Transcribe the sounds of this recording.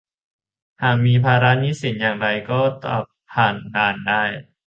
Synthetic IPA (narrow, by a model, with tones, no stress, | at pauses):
haː˨˩k̚miː˧pʰaː˧ɾa˦˥niː˦˥si˨˩˦njaː˨˩ŋɾa˧jkɔː˥˩t̪a̰˨˩p̚ʰaː˨˩nkaː˧˩ndaː˥˩j